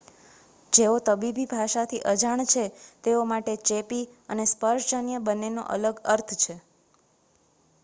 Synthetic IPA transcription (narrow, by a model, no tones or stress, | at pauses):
d͡ʒeot̪əbibʱibʱaʃat̪ʰiʔəd͡ʒaɳt͡ʃʰet̪eomaʈet͡ʃepiənespəɾʃd͡ʒənjəbənːeno̰ʔə̰ləɡəɾt̪ʰt͡ʃʰe